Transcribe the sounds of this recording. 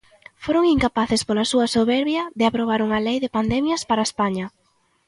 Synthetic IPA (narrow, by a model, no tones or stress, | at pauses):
foɾoŋiŋkapaθɪspolasuɐsoβɛɾβjɐðɪapɾoβ̞aɾuŋɐlejðɪpand̪ɛmjɐspaɾaespaɲɐ